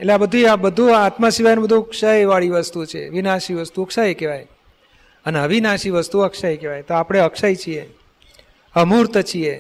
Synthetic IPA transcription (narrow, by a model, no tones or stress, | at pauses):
eleabəd̪ʱuabəd̪ʱũat̪masiʋajnũbəd̪ʱũkʃajʋaɭiʋəst̪ut͡ʃʰḛʋinaʃiʋəst̪ukʃajkeʋaj | əneəʋinaʃiʋəst̪uəkʃajkeʋajt̪oapɽ̃eəkʃajt͡ʃʰie | əmuɾt̪ət͡ʃʰie